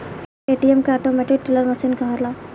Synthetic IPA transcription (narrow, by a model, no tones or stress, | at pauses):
eːʈiemkeaːʈomɛʈɪk̚ʈɪləɾmɐsinkaɦaɾlaː